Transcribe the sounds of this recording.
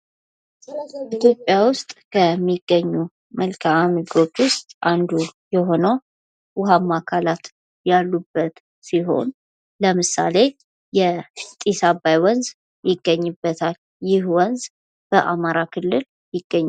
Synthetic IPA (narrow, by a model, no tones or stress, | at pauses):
ʔit̪ʰjo̞pʼːjawʊst̪ʼkʰəmːiɡːəɲːu | məlkʰaamiɡo̞t͡ʃːwʊst̪ʼʔand̪ujɛɦo̞nəw | wʊɦamːakʰalat̪ | jalːubːət̪ | siɦo̞̰n | ləmɨsa̰le̞ | jɛt̪ʼisabajwɔnz | jɪɡːəɲːɨbːət̪ʰal | jɪhwɔnz | b̥əʔamaɾakʰɨlːɨl | jɪɡ̥ːəɲː